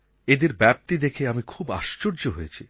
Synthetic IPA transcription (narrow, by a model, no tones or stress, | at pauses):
ed̪eɾbɛp̚t̪id̪ekʰeamikʰuba̰ʃt͡ɕoɾd͡ʑoɦojet͡ɕʰi